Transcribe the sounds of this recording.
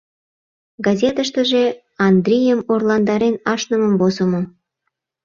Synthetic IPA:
ɡɑzʲet̪əʃt̪əʒe | ɑnd̪rʲijəmorlɑnd̪ɑɾenɑʃnəmə̆mvozəmo

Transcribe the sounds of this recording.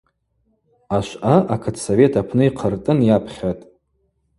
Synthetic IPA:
aʃʷaʔakʰɨtʰsove̞tʰapʰnɨiqʰərtʼɨnjapʰχʲatʼ

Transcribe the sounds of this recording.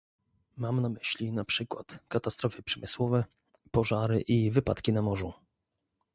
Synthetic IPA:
mamnamɘɕlʲinapʂɘkwa̰t̪kat̪ast̪ɾɔfɘpʂɛmɘswɔvɛ | pɔʐaɾɘʔivɘpa̰t̪kʲinamɔʐu

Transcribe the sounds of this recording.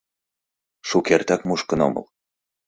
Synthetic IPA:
ʃukʲæɾt̪ækmuʃkɤ̆no̰mɤ̰lˠ

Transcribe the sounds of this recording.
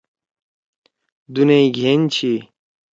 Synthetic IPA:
d̪uneiɡʱeːnt͡ɕʰi

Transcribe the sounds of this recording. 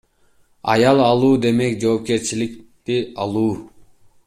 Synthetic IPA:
ɑ̰jɑlˠɑlˠuːd̪e̞me̞kd͡ʒo̞ːp̚ke̞ɾt͡ʃilikt̪iɑlˠuː

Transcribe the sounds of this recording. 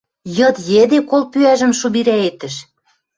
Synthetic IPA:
jɤ̆t̪jĕd̪ekolpyæʒə̆mʃuβiɾæet̪ə̆ʃ

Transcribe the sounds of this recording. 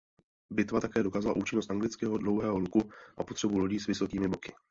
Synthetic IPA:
bɪt̪vat̪akɛːdo̞kaːzala̰ʔuːt͡ʃɪnost̪aŋɡlɪt͡skɛːɦodlo̞wɦɛːɦolukuʔa̰po̞t̪r̝̥ɛbuloɟiːsvɪso̞kiːmɪbokɪ

